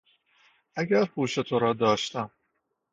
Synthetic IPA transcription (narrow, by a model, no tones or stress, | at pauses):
æɡæɾpʰuːʃe̞t̪ʰoɾɒːd̪ɒːʃt̪æm